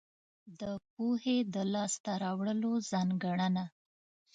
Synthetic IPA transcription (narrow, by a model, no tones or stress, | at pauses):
d̪əp̚ohed̪əlɑst̪aɾɑwɽəlozɑŋɡaɳəna